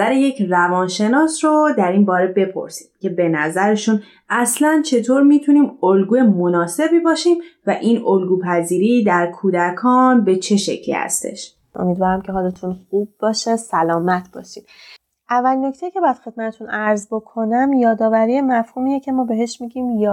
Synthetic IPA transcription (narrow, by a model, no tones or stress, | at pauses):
æɾeje̞cʰrævɒːnʃe̞nɒːsɾod̪æɾiːnbɒːɾe̞be̞pʰo̞̰ɾsi̥md̪̥cʲʰe̞be̞næzæɾe̞ʃun | ʔæslænt͡ʃʰe̞t̪ʰoːɾmiːt̪ʰuniːmolɡuːjemonɒːse̞biːbɒːʃimvæʔiːnolɡuːpʰæziːɾiːd̪æɾkʰuːd̪ækʰɒːnbe̞t͡ʃʰe̞ʃe̞̰cʰlḭːhæ̰st̪e̞̰ʃ | ʔo̰miːd̪vɒːɾæmcʲʰe̞ɦɒlet̪ʰunxub̚ːɒːʃesælɒːmæt̪ʰb̥ɒ̰ːʃid̪ | ʔævːælino̞cʰt̪ejiːcʰe̞bɒːjæd̪̥xe̞d̪̥̚mæt̪ʰet̪ʰunæɾzbo̞kʰo̞næmjɒːd̪ɒːvæɾijemæfhuːmiːjecʰe̞mɒːbe̞ɦe̞ʃmiɟiːmj